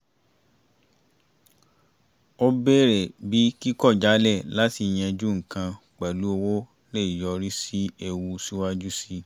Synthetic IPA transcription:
o˦be˦ɾɛ˨bi˨˦ki˦kɔ˦˨d͡ʒa˨˦lɛ˦˨la˦ti˧j̃ɛ̃˧d͡ʒu˦ŋ̩˨kã˧ | k͡pa˨lu˨˦o˧wo˦ | le˦i˨jɔ˧ɾi˦si˦e˧wu˧si˦wa˦d͡ʒu˦si˦

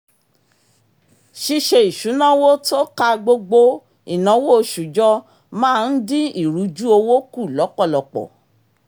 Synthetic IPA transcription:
ʃi˧ʃe˧i˨ʃu˨˦nã˦wo˦to˦ka˧ɡ͡bo˧ɡ͡bo˧ | i˨nã˨˦wo˦o˧ʃu˨d͡ʒɔ˦ | mãː˦˧n̩˦dĩ˦i˦˨ɾu˨˦d͡ʒu˦o˧wo˦ku˦˨lɔ˨˦kɔ˦˨lɔ˨k͡pɔ̰˨

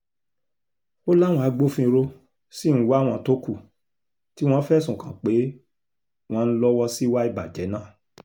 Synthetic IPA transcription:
o˦la˦w̃ɔ̃˧a˨˧ɡ͡bo˦fĩ˧ɾo˧ | si˦˨ñ̩˨˦ww̃ɔ̃˧˨to˦ku˦˨ | ti˦w̃ɔ̃˦fɛ˦˨sũ˨kã˨k͡pe˨˦ | w̃ɔ̃˦˧n̩˦lɔ˦wɔ˦si˦wa˦i˦˨ba̰˨d͡ʒɛ˨˦nãː˦˨

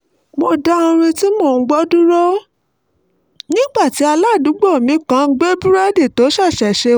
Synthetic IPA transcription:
mo˧da˦o˧ɾ̃ĩ˧ti˦mo˦˨ŋ̩˨˧˦ɡ͡bɔ˦du˦ɾo˦ | nĩ˦ɡ͡ba˦˨ti˨˦a˧la˦˨du˨˦ɡ͡bo˦˨mĩ˨˦kã˨˦˧ɡ͡be˦bu˦ɾa˦˨di˦˨to˨˦ʃa˦˨ʃɛ˨ʃe˧

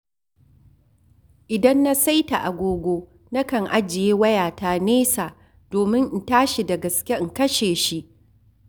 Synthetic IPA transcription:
ʔɪ˨dɐ˦nːa˦sa˦jta˨ʔa˨ɡʷoː˦ɡʷoː˦ | na˦kɐ˨ŋʔa˦d͡ʒɪ˨jeː˦wɐ˦jaː˨taː˨neː˦sa˨ʔ | d̥oː˨mɪ˦ŋʔtaː˦ʃi˨dɐ˨ɡɐ˨skʲe˦ŋ̩˨kɐ˦ʃeː˨ʃi˦ʔ

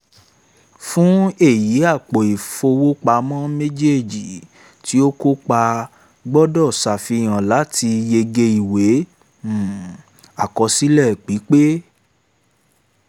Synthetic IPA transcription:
fũ˦e˦˨ji˨˦a˦˨k͡po˨e˨fo˧wo˦k͡pa˧mɔ̃˦me˦d͡ʒe˦˨d͡ʒi˨ | ti˨˦o˦ko˦k͡pa˧ | ɡ͡bɔ˦dɔ˦˨sa˨fi˧˨j̃ã˨la˨˦ti˧je˧ɡe˧i˨we˨˦˨ | a˨kɔ˧si˦lɛ˦˨k͡pi˨˦k͡pe˦

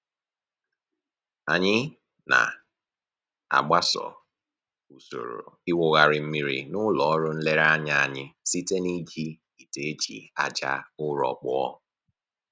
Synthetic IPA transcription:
a˨ɲɪ˦ | na̰˨ | a̰˨ɡ͡ba˦sɔ̰˨ | u˨so̰˨ɾo̰˨i˦wʊ˨ɣa˨ɾɪ˨m̩˦mi˦ɾi˨nʊ˦lɔ˨ɔ˦ɾʊ˦n̩˦le˦ɾa˦ɲaa˨ɲɪ˦si˦te˦ni˦d͡ʒi˦ | i˨te˨e˦t͡ʃḭ˨a̰˨d͡ʒa̰˦ʊ˦ɾɔ̰˨k͡pʊ˦ɔ˦

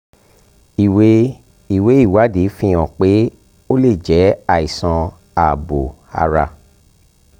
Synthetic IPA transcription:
i˨we˧ | i˨we˨˦i˦˨wa˨˦de˨˦fĩ˦ɔ̃˨k͡pe˨˦ | o˦le˦˨d͡ʒɛ˨˦a˦˨i˨sã˧ | a˨bo˨ | a̰˧ɾa̰˧

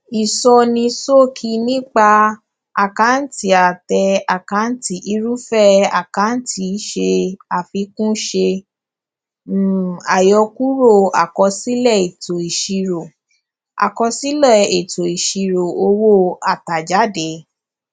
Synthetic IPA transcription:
i˨sɔ˧nĩ˧so˦˨kʰi˧˦nĩ˦k͡pa˧ | a˨kã˨˦n̩˦ti˨a˨tɛ˧a˨kã˨˦n̩˦ti˨ʔi˧˦ɾu˦fɛ˦˨a˨kã˨˦n̩˦ti˨˦ʃe˧a˨fi˧kũ˦ʃe˧˨ | a˨jɔ˧ku˦ɾo˦˨a̰˨kɔ˧si˦lɛ˦˨e˨to˨i˨ʃi˧ɾo˨ | a̰˨kɔ˧si˦lɛ˦˨e˨to˨i˨ʃi˧ɾo˨o˧˦wo˦˨a˨ta˨d͡ʒa˨˦˨dɛ˨˦

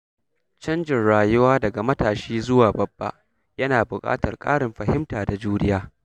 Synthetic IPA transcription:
t͡ʃɐ˦nd͡ʒɪ˨nɽaː˨jʊ˦waː˦dɐ˨ɡa˨mɐ˦taː˨ʃiː˦zʊ˦waː˨bɐ˨bːa̰˦ʔ | jɐ˦naː˨bʊ˨kʼa̰ː˦tɐ̰˨rkʼa̰ː˦ɽɪ˨mɸɐ˨hɪ˦mtaː˨da˨d͡ʒuː˦ɽɪ˦jaː˦

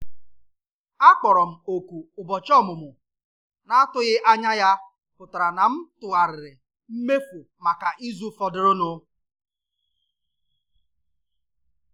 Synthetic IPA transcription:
a˦k͡pɔ˨ɾɔ˨m̩˨o˨ku˨ʊ˨bɔ˨t͡ʃɔ˦˨mʊ˨mʊ˨ | na˨a˦tʊ˦ɣɪ˦ʔa˦ɲa˦ja˦ | pʊ˨ta˨ɾa˨na˨m̩˦tʊ˨a˨ɾɪ˨ɾɪ˨ | m̩˦me˦fu˨ | ma˨ka˨ʔi˦zu˦fɔ˨dɪ˨ɾo˦no˦

